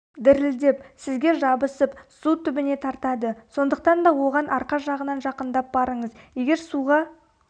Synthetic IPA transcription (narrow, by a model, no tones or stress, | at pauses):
d̪ɪɾɪld̪ep̚sɪzɡʲe̞ʒɑbəsəpsut̪ʰʏbɪne̞t̪ʰɑɾt̪ɑd̪əso̞nd̪əq̚t̪ɑnd̪ɑwo̞ʁɑnʔɑɾqɑsʒɑʁənɑnʒɑqənd̪ɑp̚bɑɾəɴəzje̞ɡʲe̞ɾsuʁɑ